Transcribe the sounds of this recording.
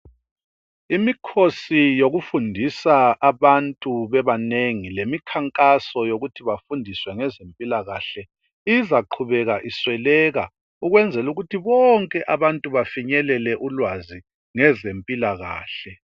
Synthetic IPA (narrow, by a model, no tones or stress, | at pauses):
imikʰosijoɣufundʱisaːβantʼuβɛβaneŋilemikʰaŋkʼasɔjoɣutʰiβafundʱiswɛŋɛzempʼilaɣaɬɛ | izaǃʰuβɛɣaʔiswɛlɛɣa̰ | uɣwɛnd͡zʱɛluɣutʰiβɔŋkʼɛʔaβantʼuβafiɲɛlɛlɛʔulwazi | ŋɛzempʼilaɣa̰ːɬɛ